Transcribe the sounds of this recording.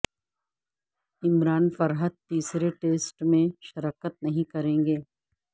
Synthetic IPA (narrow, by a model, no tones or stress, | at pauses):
ɪmɾaːnfɐɾɦəd̪̚t̪iːsɾeʈeːsʈmẽʃɐɾaːkət̪̚nɐɦĩkɐɾẽːŋɡeː